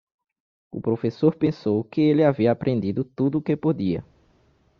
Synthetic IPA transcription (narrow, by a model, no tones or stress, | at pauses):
ʊ̰pɾofesoɾpẽsowkɪelɪaviɐapɾʔẽnd̪id̪ʊt̪ud̪ʊkepod̪iɐ̰